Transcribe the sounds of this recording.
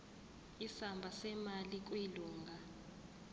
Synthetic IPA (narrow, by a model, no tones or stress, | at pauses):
isambʱasɛmalik̬ʼwiluːŋɡʱa